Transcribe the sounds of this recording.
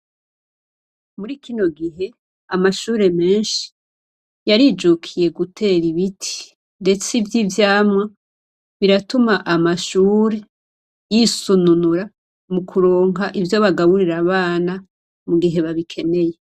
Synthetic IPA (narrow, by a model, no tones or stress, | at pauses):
muɾikino̞ɡiɦe̞ | amaʃuːɾe̞me̞ːnʃi̥ | jaɾid͡ʒukʰije̞ɡutʰe̞ɾiβitʰi̥ | nde̞t͡sivjivjaːmŋa | βiɾatumaʔamaʃuːɾe̞ | jisununuɾa | mukʰuɾoːŋɦaʔivjo̞βaɡaβuɾiɾaβaːna | muɡiɦe̞βaβikʰe̞ne̞je̞